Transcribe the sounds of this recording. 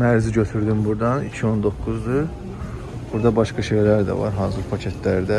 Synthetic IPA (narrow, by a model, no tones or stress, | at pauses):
mæɾziɟø̞t̪ʰyɾd̪ymbuɾd̪ɑnicʰio̞nd̪o̞kʰːuzd̪ɯɾ | b̥uɾd̪ɑbɑʃkɑʃe̞jlæɾd̪æ̰vɑ̰ɾɦɑːzuɾpʰɑcʰet̪ʰlæɾd̪æ